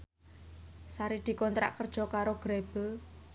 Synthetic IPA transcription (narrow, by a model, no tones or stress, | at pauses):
saɾid̪̥i̤kɔnt̪ɾa̰ʔkərd̥ʒ̥ɔ̤kaɾoɡ̥ɾeb̥ə